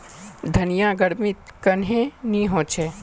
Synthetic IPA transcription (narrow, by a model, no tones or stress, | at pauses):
d̪ʱɐnijaɡəɽmɪt̪kɐnɦẽnĩɦõːt͡ʃʰe